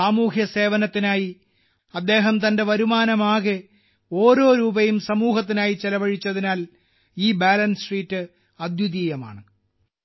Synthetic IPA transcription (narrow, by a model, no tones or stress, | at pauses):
aːmuːkjɐse̞ːʋɐnɐt̪ːinaːji | ɐd̪ːe̞ːɦɐmt̪ɐnde̞ʋɐɾumaːnɐmaːɣe | o̞ːɾo̞ːɾuːbɐjumsɐmuːɦɐt̪̬ːinaːjit͡ɕelɐʋɐɻit͡ɕːɐðinaːl | iːbaːlɐnsriːtːɨ | ɐd̪juðiːjɐma̰ːɳɨ